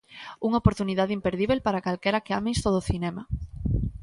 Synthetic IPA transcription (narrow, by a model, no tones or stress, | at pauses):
uŋaopoɾt̪uniðaðimpeɾðiβelpaɾakalkɛɾakeamẽjst̪oðoθinɛma